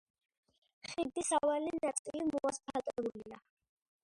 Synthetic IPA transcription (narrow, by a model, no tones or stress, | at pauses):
χid̪isavalinat̪sʼilimɔaspʰat̪ʼɛulia